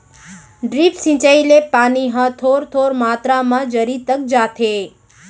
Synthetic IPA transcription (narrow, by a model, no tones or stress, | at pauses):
ɖɾipsĩt͡ʃailepaniɦə̃t̪ʰoɾt̪ʰoɾmat̪ɾamãd͡ʒəɾit̪ək̚d͡ʒat̪ʰe